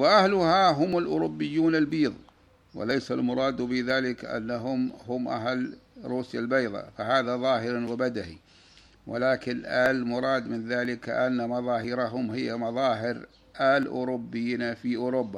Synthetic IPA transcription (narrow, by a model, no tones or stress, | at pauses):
wɪʔahlʊhaɦʊmalʔʊɾʊbːɪjːuːnalbiːðˤ | wɪ̰lajsalmʊɾˤɑːd̪bɪðaːlɪkʔa̰nːaɦʊmɦʊmʔa̰ɦalɾuːsjalbɑjðˤɑ̰faɦaːðaðˤɑːɦɪɾwɪbad̪aʔḭ | wʔɪlaːkɪnʔalmʊɾˤɑːd̪mɪnðaːlɪkʔanːamɑðˤɑːɦɪɾaɦʊmɦɪjːamɑðˤɑːɦɪɾ | ʔalʔʊ̰ːɾʊbːɪjːiːnafiʔʊɾʊbːa